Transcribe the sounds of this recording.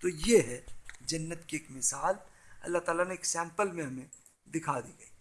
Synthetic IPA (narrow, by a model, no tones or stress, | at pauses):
t̪ojeɦɛd͡ʒɐnːət̪kieːkmɪsaːlɐ̰lːaɦt̪aːlaneːksɛ̃ːmpəlmẽɦɐmẽ | d̪ɪkʰad̪iɡɐiː